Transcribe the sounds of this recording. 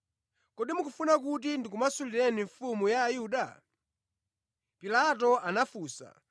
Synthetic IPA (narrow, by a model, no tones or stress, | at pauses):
kɔɗimukufunak̬ut̬indikumasuliɾɛniɱfumujaːjuɗa | pilat̬ɔʔanafuːsa̰